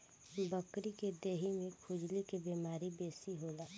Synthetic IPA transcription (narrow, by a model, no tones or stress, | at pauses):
bəkɾiked̪eːɦimẽkʰʊd͡ʒlikebimaːɾibeːsiɦolaː